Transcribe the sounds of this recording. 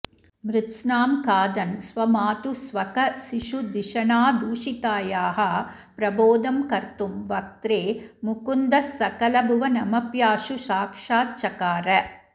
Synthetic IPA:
mɾɪt̪snaːmkaːd̪ɐnsʋɐmaːt̪usʋɐkɐsiʂud̪iʂɐɳaːd̪uːʂit̪aːjaːɦɐ | pɾɐboːd̪ɐmkɐɾt̪umʋɐk̚t̪ɾeːmukund̪ɐsːɐkɐlɐbʱuʋɐnɐmɐpjaːʂuʃaːkʂaːt̪t͡ʃɐkaːɾɐ

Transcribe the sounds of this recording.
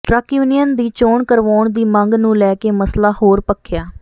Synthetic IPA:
ʈɾəkjuːnɪjənd̪iːt͡ʃoːɳkəɾʋaːɳd̪iːməŋɡnũːlɛːkeːməslaːhoːɾpəkʰːɪjaː

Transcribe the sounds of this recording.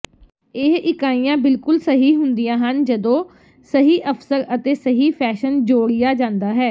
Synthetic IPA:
ɪɦɪkaːijãːbɪlkʊlsəɦiːɦʊnd̪ijãːɦənd͡ʒəd̪õː | səɦiːʔəpsəɾət̪eːsəɦiːpʰɛːʃənd͡ʒoːɽɪjaːd͡ʒãːnd̪aːɦɛː

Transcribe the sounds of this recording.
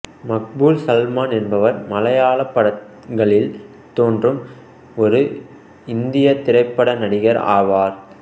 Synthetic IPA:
mɐk̚buːlsɐlmaːnɛnbɐʋɐɾmɐlɐjaːlɐpːɐɽɐ | ŋɡɐɭɪl | t̪oːndrɯm | ɔɾɯ | ɪnd̪ɪjɐt̪ɪɾɐɪpːɐɽɐnɐɽɪɣɐɾa̰ːʋaːɾ

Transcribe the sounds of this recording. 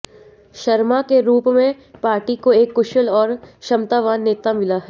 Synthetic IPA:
ʃɐɾmakeɾuːpmẽ | paːɾʈikoeːkːʊʃəlɔːɾʃɐmt̪aːʋaːnːeːt̪amɪlaɦɛː

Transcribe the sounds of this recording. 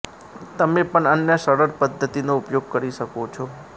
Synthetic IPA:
t̪əmepəɳənjəʃəɾəɾpəd̪ʱːət̪inoupjoɡ̚kəɾiʃəkot͡ʃʰɔ

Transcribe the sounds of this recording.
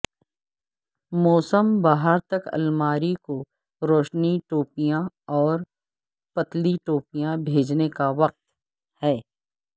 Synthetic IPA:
mɔːsəmbaːɦəɾt̪ɐkɐ̰lmaːɾiko | ɾoːʃniʈoːpijã | ɔːɾ | pɐt̪liʈoːpijãbʱeːd͡ʒnekaʋɐq̚t̪ | hɛː

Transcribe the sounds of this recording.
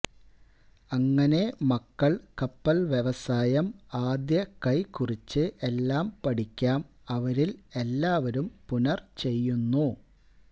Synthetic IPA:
ɐŋːɐne̞mɐkːɐɭkɐpːɐlʋjeʋɐsaːjɐmaːd̪jɐkɐjkurit͡ɕːɨʔe̞lːaːmpɐɽikʲːaːm | ɐʋɐɾile̞lːaːʋɐɾumpunɐrt͡ɕe̞jːunːu

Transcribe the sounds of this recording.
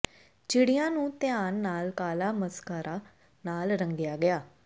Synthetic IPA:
t͡ʃɪɽijãːnũːt̪ɪjaːnːaːlkaːlaːməskaːɾaː | naːlɾəŋɡɪjaːɡɪjaː

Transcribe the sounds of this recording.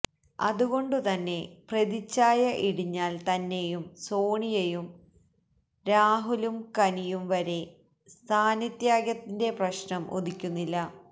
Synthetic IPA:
ɐ̰ðuɣo̞ɳɖɨt̪ɐnːe̞preðit͡ɕːaːjɐʔiɽiɲːaːlt̪ɐnːe̞jumso̞ːɳijɐjum | ɾaːɦulumkɐnijumʋɐɾe̞ | st̪ʰaːnɐt̪jaːɡjɐt̪ːinde̞prɐɕnɐmʔo̰d̪ikʲːunːilːɐ

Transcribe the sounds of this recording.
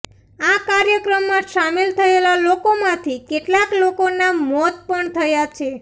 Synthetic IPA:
akaɾjəkɾəmːãʃamelt̪ʰəelalokomãt̪ʰikeʈlaklokonamɔt̪̚pəɳt̪ʰəjat͡ʃʰe

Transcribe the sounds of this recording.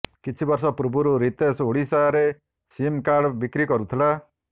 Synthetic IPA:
kit͡ʃʰibɔɾsɔpɾubʱuɾuɾit̪esoɽisaɾe | simkaɾɽɔbikɾikɔɾut̪ʰila

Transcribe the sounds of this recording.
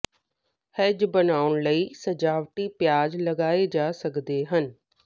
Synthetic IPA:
hɐd͡ʑbɐnaːʊɽ̃ləisɐd͡ʑaːʋʈipjaːd͡ʑlɐɡaːed͡ʑaːsɐɡ̪d̪eɦənɪ̆

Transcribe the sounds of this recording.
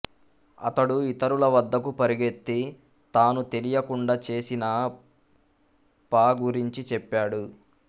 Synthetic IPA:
ɐ̰t̪ɐɽuit̪ɐɾulɐʋɐd̪ʱːɐkupɐɾiɡe̞t̪ːi | t̪aːnut̪e̞lijɐkuɳɖaːt͡ʃe̞ːsinɐ | paːɡuɾiɲt͡ʃit͡ʃɛpːaːɽu

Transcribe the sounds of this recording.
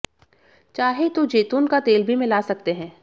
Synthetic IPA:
t͡ʃaːɦet̪ud͡ʒeːt̪unkat̪eːlbʱimɪ̃lasɐk̚t̪eɦɛ̃ː

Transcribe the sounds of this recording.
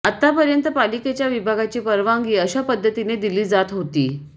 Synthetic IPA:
at̪ːapəɾjənt̪əpaliket͡ɕjaʋibʱaɡat͡ɕiːpəɾʋaŋɡiːəɕapəd̪ʱːət̪ined̪iliːd͡zat̪ɦot̪ḭː

